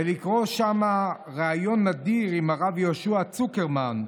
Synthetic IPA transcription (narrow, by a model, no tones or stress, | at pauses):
elikʁo̞ʃama | ʁeajo̞nːadiʁimhaʁavjoʃuat͡sukeʁman